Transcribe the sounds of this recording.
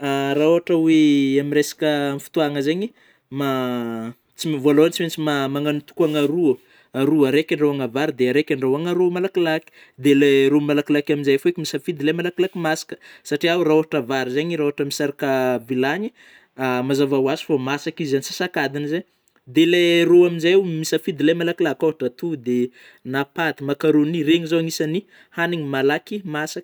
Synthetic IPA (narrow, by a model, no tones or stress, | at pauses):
araoaʈ͡ʂaweaminresḁkʲəmifu̥t̪uaŋəzeɲi | ma | t͡simvaloant͡siment͡simamaŋanut̪u̥kuaŋaɾuə | aɾuaɾekʲaɳɖ͡ʐawaŋavaɾid̪eaɾekʲaɳɖ͡ʐawaŋaɾumalakilaki̥ | d̪eleɾumalakilakʲaminzajfoekʲimisafid̪ilemalakilakimasi̥kə̥saʈ͡ʂiawraoɦaʈ͡ʂavaɾizaɲiɾaoaʈ͡ʂəmisaɾakavilaɲi | amazavawasi̥famasakizzanisḁsakad̪inzeɲ | d̪eleroaminzamisafid̪ilajmalakilakoɦaʈ͡ʂat̪ud̪e | napat̪imakaɾonireŋizaŋisani | haniŋimalakimasak